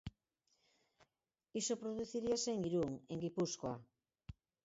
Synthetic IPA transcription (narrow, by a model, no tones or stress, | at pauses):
isopɾoðuθiɾiaseeŋiɾuŋeŋɡipuskwa